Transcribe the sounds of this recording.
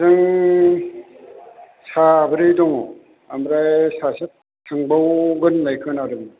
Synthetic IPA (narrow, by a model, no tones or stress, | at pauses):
zɯŋ | sabɯɾijdɔŋɔ | amɾajsasɯt̚ | tʰːɯŋbawɡɯnːajkʰɯnaɾɯm